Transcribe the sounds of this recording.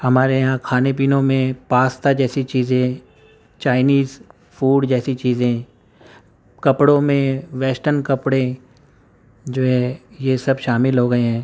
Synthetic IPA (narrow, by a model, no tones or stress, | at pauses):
hɐmaːɾejɦãkʰaːnep̬iːnõmẽpaːst̪ad͡ʒɛːsit͡ʃiːzẽ | t͡ʃaːɪniːz | fuːɖd͡ʒɛːsit͡ʃiːzẽ | kɐpɽõmẽʋɛːsʈənkɐpɽe | d͡ʒoːɦɛjesɐbʃaːmɪlɦoːɡɐeɦɛ̃ː